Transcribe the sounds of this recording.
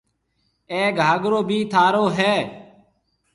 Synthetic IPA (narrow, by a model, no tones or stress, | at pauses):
eːɡʱaːɡɾoːbʱiːt̪ʰaːɾoːɦɛː